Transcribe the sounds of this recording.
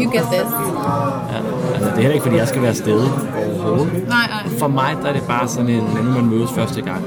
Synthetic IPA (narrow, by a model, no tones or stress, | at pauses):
juɡ̥et̪ðɪs | jæ | ælsəd̥e̝helɐeɡ̥fdḭːjɑɪsɡ̥æʋæːɐsd̥eðˠəɒʊɐhoːð̩ˠəɪ | fɒ̽mɑ̈ɪd̥ɑæɐd̥e̝b̥ɑ̈ːsɒ̽ne̝nmenemænmøːðˠəsfɶɐsd̥əɡ̥ɑ̈ŋ̰